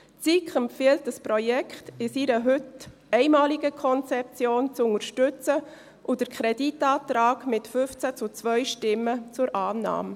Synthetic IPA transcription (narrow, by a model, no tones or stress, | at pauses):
t͡sikχəmfiəltəspɾɔjɛkχtɪsiɾəɦʏt | ɛɪmɑːliɡəkʰɔnt͡sɛp̚t͡sjoːnt͡sʊŋəɾʃtʏt͡sə | ʔud̥əɾkʰχɾɛditɑːtɾɑːɡmɪtfʏft͡sæt͡sʊt͡svœʏɥʃtɪmːət͡sʊɾʔɑːnɑ̰ːm